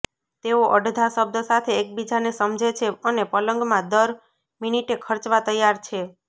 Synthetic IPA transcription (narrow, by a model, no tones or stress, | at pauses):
t̪eoʔəɖd̪ʱasəb̚d̪əsat̪ʰeːk̚bid͡ʒanesəmd͡ʒʱet͡ʃʰeənepələŋɡmãd̪əɾ | miniʈekʰəɾt͡ʃʋat̪əjːaɾt͡ʃʰe